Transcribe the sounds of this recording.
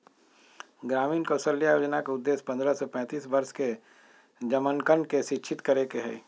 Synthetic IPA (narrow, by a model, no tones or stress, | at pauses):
ɡɾaːmiːnkəsəlːijaːjoːd͡ʒnakeʊd̪ːeːspɐ̃nd̪ɾasɔpɛ̃ːt̪iːsbɐɾske | d͡ʒɐmənkənɖkeʃɪʃʰɪt̪kɐɾekeɦɛ̰ː